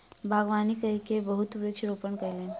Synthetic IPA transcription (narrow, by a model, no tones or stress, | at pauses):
bʱaɡʋanikəikebəɦut̪ʋɾut͡ʃɾopəɳkəjlen